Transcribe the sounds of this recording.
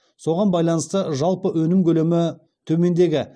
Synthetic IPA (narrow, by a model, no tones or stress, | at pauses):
so̞ʁɑnbɑjlˠɑnəst̪əʒɑlˠpəwɵnɪmkʲʰɵle̞mɪ | t̪ʰɵme̞nd̪e̞ɡʲɪ